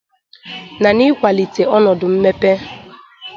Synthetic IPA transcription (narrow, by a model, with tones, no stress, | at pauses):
na˨ni˦kʷa˨li˨te˨ɔ˦nɔ˨dʊ˨m̩˦me˦pe˦